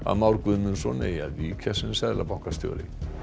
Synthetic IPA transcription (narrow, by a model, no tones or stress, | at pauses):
a̰ðmawɾkvʏðmʏnsɔnea̰ðvikʰɛsɪnsɛðla̰pawhkast̪jɔ̰ːlɪ̰ŋ